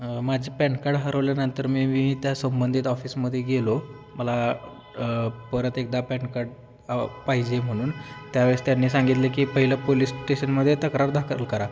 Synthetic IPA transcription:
mad͡ʑʱiːpɛ̃ɳkaɽɦəɾəʋljanənt̪əɾmiːmiːt̪jasəmbənd̪ʱit̪ɔfiːsməd̪ʱːjeɡelo | məla | pəɾət̪ek̚d̪apɛɳkaɾɽ̚ | paɦid͡ʑem̤əɽ̃uːnt̪jaʋeɭest̪janːiːsãŋɡit̪lekiːpəɦiləpoliːsʈeɕənməd̪ʱːjet̪əkɾaɾd̪ʱakʰəəlkəɾa

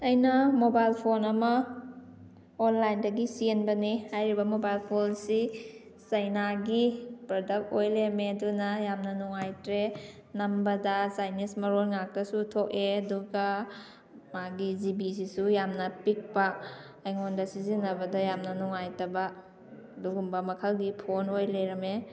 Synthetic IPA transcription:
ɐjnɐmobajlpʰonɐmɐ | onlajndɐɡisienbɐnihajɾibɐmobajlpʰonsi | sɐjnaɡipɾɔdɐk̚tojlemedunɐjamnɐnɔŋajtɾe | nɐmbɐdɐsajnismɐɾolŋak̚tɐsutʰok̚eɐduɡɐ | maɡizibisisujamnɐpik̚paː | jŋondɐsizinɐbɐdɐjamnɐnɔŋajtɐbɐ | duɡumbɐmɐkʰɐlɡipʰonojleɾɐme

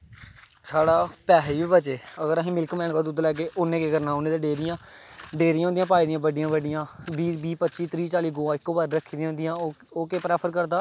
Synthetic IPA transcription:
saːɽaːpɛːɦiːbiːbət͡ʃeːəɡəɾəɦĩːmɪlkmɛːnkaːd̪ʊd̪lɛːk̬eːʔʊnːẽːkeːkəɾnaːonẽːd̪eːɖeːɾɪjãːɖeːɾɪjãːõnd̪iãːp̬aːiːd̪ɪjãːbəɖɪjãːbəɖɪjãːbiːbiːpət̪ːt͡ʃiːt̪ɾiːt͡ʃaːliːɡoːaːɪkːoːbaːɾɾəkʰiːd̪ĩj̃ːõnd̪ɪjãː | oːkeːpɾɛːpʰəɾkəɾd̪aː

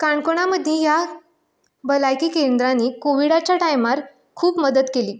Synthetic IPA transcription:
kaɳkoɽ̃aməd̪ʱːjẽja | bəlajkiːkẽnd̪ɾaniːkoʋiɽat͡ɕjaʈajmaɾ | kʰuːpməd̪ət̪keliː

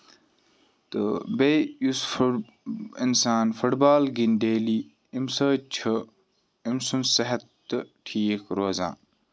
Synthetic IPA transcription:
t̪ɨbejusf | insaːnfuʈbaːlɡind̪eːliː | imsɐːt͡ʃʰɐ | imsunsɐɦɐt̪ː | ɨʈʰiːkɾoːzã̰ː

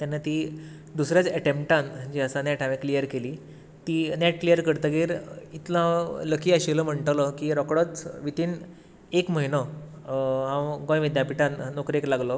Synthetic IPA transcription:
t̪janːat̪iː | d̪usɾjat͡səʈempʈãnd͡ʑiəsanɛʈãʋeklijəɾkeliː | t̪iːnɛʈ̚klijəɾkəɾt̪əɡiːɾit̪lãləkʰiːəɕiləm̤əɳʈlɔkiɾɔkɽət͡sʋit̪iːn | ekməɦinə | ɦãwɡõjʋid̪japiʈãnːokɾeklaɡlɔ

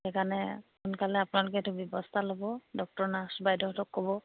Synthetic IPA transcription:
ɛkanɛkunkalɛapʊnalʊkɛtubjɔbɔstʰalobɔdɔk̚tɔɹnasbajdɔtɔkʰːɔbɔ

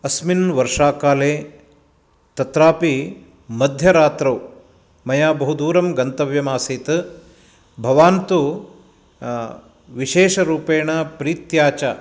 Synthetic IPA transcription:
ɐsminʋɐɾʂaːkaːleː | t̪ɐt̪ɾaːpi | mɐd̪ʱjɐɾaːt̪ɾɐw | mɐjaːbɐɦud̪uːɾɐmɡɐnt̪ɐʋjɐmaːsiːt̪ɨ | bʱɐʋaːnt̪u | ʋiʃeːʃɐɾuːpeːɳɐpɾiːt̪jaːt͡ʃɐ

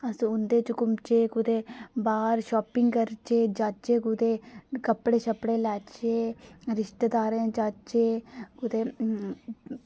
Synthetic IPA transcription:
əsĩʊnd̪eːt͡ʃʊkʊmt͡ʃeːkʊd̪eːbaːɾʃoːpɪŋɡkəɾt͡ʃeːd͡ʒaːt͡ʃeːkʊd̪eːkəpːɽeːʃəpɽeːlɛːt͡ʃeːɾɪʃt̪eːd̪aːɾẽːd͡ʒaːt͡ʃeːkʊd̪eː

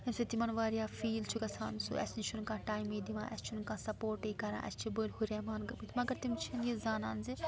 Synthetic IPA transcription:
ɐmʲsɐt̪imɐnʋaːɾijaːfʰiːlt͡ʃʰukɐsʰa̰ːnsṵɐ̰snit͡ʃʰunkãːʈaːjmiːd̪imã̰ːʔɛ̰st͡ʃʰunkãːsɐpoːɾʈeːkɐɾã̰ːʔɐ̰st͡ʃʰibolhuɾeːmaːnɡɐbit̪ʰmɐɡɐɾt̪imt͡ʃʰinjizaːna̰ːnzi

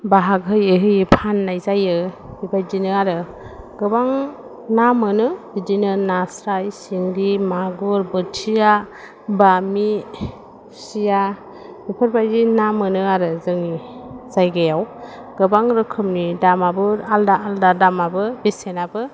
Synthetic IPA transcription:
baɦaɡɦɯjeɦɯjipʰanːajzajɯ | ibajdinɯaɾɯ | ɡ̥ɯbaŋ | namɯnɯdidinɯnasɾajsiŋdimaɡuɾbɯtʰija | bami | sija | ipʰɯɾbajdinamɯnɯaɾɯzɯŋiz̥ajɡajaw | ɡ̥ɯbaŋɾɯkʰɯmnidamabɯɾaldaːldadamabɯbesenabɯ

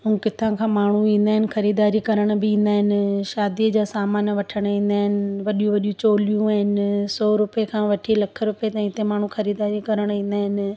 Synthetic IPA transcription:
ɦũːkɪt̪ʰãkʰãːmaːɳ̤uĩːnd̪aːɦɪnɪ̆xɐɾiːd̪aːɾikɐɾəɽ̃bɪĩːnd̪aːɦɪnɪ̆ʃaːd̪iəd͡ʑaːsaːmaːnʋɐʈʰəɽ̃ĩːn̆d̪aːɦɪnɪʋɐɗijũʋɐɗijũt͡ɕoːlijũaːɦɪnɪsɔːɾʊpekʰãːʋɐʈʰilɐkʰə̆ɾʊpet̪ɐ̃ĩt̪emaːɳ̤ũxɐɾiːd̪aːɾikɐɾəɽ̃ĩːn̆d̪aːɦɪnɪ̆

